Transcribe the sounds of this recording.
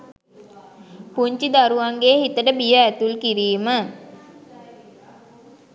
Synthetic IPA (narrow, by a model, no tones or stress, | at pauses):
puɲt͡ʃid̪aɾuʋaŋɡehit̪əʈəbijəæt̪ulkiɾiːmə